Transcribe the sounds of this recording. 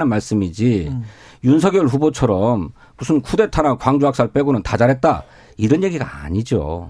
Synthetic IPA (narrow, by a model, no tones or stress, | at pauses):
nɯnmaɭs͈ɯmid͡ʑi | junsʰʌɡjoɭɸubot͡ɕʰʌɾʌm | musʰunkʰude̞tʰanakwaŋd͡ʑuɦak̚s͈aɭp͈e̞ɡunɯntad͡ʑaɾɦe̞t̚t͈a̰ | iɾʌnje̞ɡiɡa̰aɲid͡ʑo̰